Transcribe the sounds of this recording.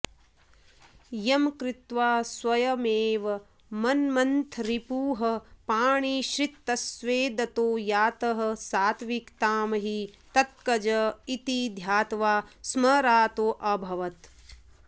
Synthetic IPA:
jɐmkɾɪt̪ʋaːswɐjɐmeːʋɐ | mɐnmɐnt̪ʰɾipuːɦɐpaːɳiʃɾit̪ːɐsʋeːd̪ɐt̪oːjaːt̪ɐɦɐ̆saːt̪ʰʋikt̪aːmɐɦit̪ɐt̪̚kɐd͡ʒɐit̪id̪ʱjaːt̪ʋaːsmɐɾaːt̪oːʔɐbʱɐʋɐt̪

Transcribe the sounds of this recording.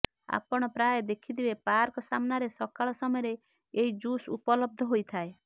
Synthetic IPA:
a̰pɔɽ̃ɔpɾajɔd̪ekʰid̪ibepaɾkɔsamɔnaɾesɔkaɭɔsɔmɔjɔɾe | eɦid͡ʒusṵpɔlɔb̚d̪ʱɔɦojt̪ʰae

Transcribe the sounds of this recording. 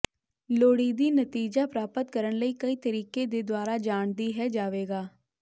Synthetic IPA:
loːɽiːd̪iːnət̪iːd͡ʒaːpɾaːpət̪kəɾəɳləiːkəiːt̪əɾiːkeːd̪eːd̪owaːɾaːd͡ʒaːɳd̪iːɦɛːd͡ʒaːʋeːɡaː

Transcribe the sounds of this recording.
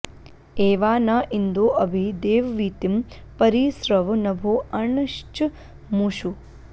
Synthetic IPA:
eːʋaːnaːʔind̪oːʔɐbʱid̪eːʋʋiːt̪im | pɐɾiːsɾɐʋnɐbʱoːɐɳɐʃt͡ʃ | muʃu

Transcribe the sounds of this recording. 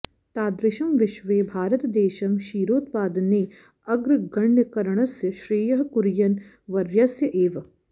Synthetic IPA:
t̪aːd̪ɾɪʃɐmʋɪʃʋeːbʱaːɾət̪d̪eːʃɐmʃiːɾoːt̪paːd̪neː | ɐɡɾɡɐɳjəkɐɾɳ̃ɐsjəʃɾiːjɐɦkʊɾjɐn | ʋɐɾjɐsjəʔeːʋ

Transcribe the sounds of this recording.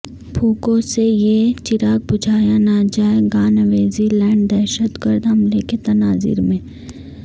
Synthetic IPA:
bʰoːkõsejet͡ʃɪɾaːk̚bʊd͡ʒʱaːjanaːd͡ʒaːeɡaːnəʋeːzilɛ̃ːɳɖd̪ɛːʃət̪ɡəɾd̪ɦɐmleket̪ɐnaːzɪ̰ɾmẽː

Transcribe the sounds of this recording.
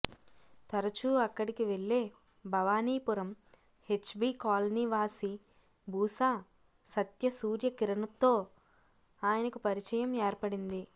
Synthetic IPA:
t̪ɐɾɐt͡ʃuːɐkːɐɽikiʋeɭːeː | bʱɐʋaːniːpuɾɐm | he̞t͡ʃːbikaːlniʋaːsi | bʱuːsaː | sɐt̪jɐsuːɾjɐkiɾɐnɐt̪ːo̞ː | aːjɐnɐkupɐɾit͡ʃɐjɐmɛːɾpɐɽind̪i

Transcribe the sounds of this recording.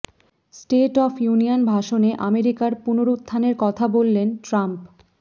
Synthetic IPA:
sʈeʈɔpʰjunijonbʱaʃoneʔameɾikaɾpunoɾut̪ːʰaneɾkɔt̪ʰabolːenʈɾamp

